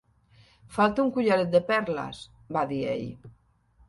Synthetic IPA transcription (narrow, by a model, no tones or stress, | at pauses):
falt̪auŋkuʎaɾet̪̚d̪epɛɾla̰s | baðiḛʎ